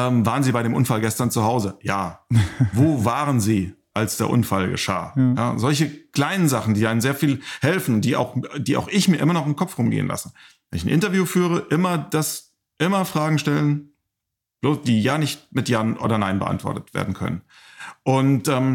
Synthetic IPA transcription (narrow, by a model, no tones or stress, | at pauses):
ʔɛːmvaːʁənziːbaɪɾeːmʔʊnfalɡɛstɐnt͡suhaʊzəjaːvoːvaːʁ̞ənziːʔalsd̥eːɐʔʊ̰nfalɡə̰ʃa̰ːja̰ːzɔlçəkl̥aɪnənzaχn̩diːʔaɪnənzeːɐfiːlhɛlfn̩diːʔa̰ʊxd̥iːʔa̰ʊxɪçmiːɐʔɪmɐnɔχɪmkʰɔpfʁʊmɡḛːənlʔa̰sə | vɛnɪçn̩ʔɪntɐvjuːfyːʁ̞əʔɪmɐd̥as | ʔɪmɐfʁ̥aːɡŋ̩ʃtɛlən | b̥loːsd̥iːjaːnɪçt̚mɪtjaːnʔo̰ːdɐnaɪnbəʔa̰ntv̥ɔ̰ɐtətv̥ḛːɐdn̩kʰœ̰nə̰n | ʔʊntʔɛːm